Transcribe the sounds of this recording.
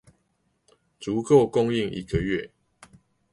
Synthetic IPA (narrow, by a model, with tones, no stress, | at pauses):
t͡su˨˦ko˥˨ʊkʊ˥˧ŋi˥˨ŋʔḭ˨˦ɡə˨ɥɛ˥˨